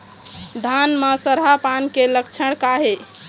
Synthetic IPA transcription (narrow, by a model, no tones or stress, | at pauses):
d̪ʱanməsəɾɦapankeləkt͡ʃʰəɽ̃kaɦe